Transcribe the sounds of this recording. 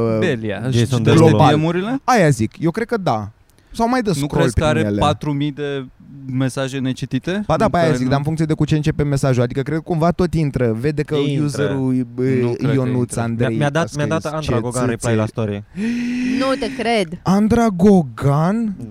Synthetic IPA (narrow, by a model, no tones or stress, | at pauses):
belia̰eɡlobaemuɾile̞ajazikjewkɾe̞d̪̚kəd̪a | sawmajd̪ənsukɾoelpkəaɾeelat̪ɾumijd̪e̞me̞saʒene̞t͡ʃit̪it̪ebad̪apajjazikd̪aɨnfuŋkt̪sied̪ekut͡ʃe̞ɨnt͡ʃe̞peme̞saʒuad̪ikəkɾe̞d̪kumvat̪o̞t̪int̪ɾəve̞d̪ekəjuzeɾu | jonut̪sand̪ɾejmjad̪amjaat̪ant͡ʃaɡoaipajlaist̪oɾie | nut̪ekɾed̪and̪ɾaɡo̞ɡan